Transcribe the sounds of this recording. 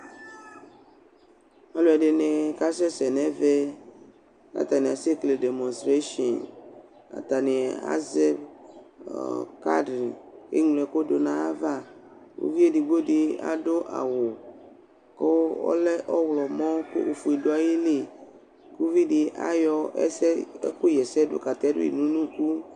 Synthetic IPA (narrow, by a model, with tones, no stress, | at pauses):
a˨lo˨a˨ɖe˨nẽ˨ka˦sɛ˦sɛ˨nɛ̃˦ve˦ | a̰˨t̪a˨nĩ˨a˨si˦klde˨mɔ̃˨nst̪ɾe˦ʃɔ˨n | a̰˨t̪a˨nĩ˨a̰˦zɛ˦b̰ | ka̰˦dɾi˨kḛ˦ŋle˨ko˦do˨nã˦a˦va˦ | o̰˦vi˦e˦di˨ɡ͡bo˦ɖi˨a̰˨ɖo˦ʔa̰˨wo˨ | ko˦ɔ̰˦lɛ˦ʔɔ˦wlɔ˨mɔ̃˦ko̰˦ʔo˨fu˨e˨do˦a˨je˦li˨ | ku˦vi˦di˨ʔa̰˦jɔ˦ɛ̰˦sɛ˦ku˦jɛ˨sɛ˦do̰˦ka˨t̪ɛ˦ɖo̰˦ḭ˨nũ˦nũ˦ku˦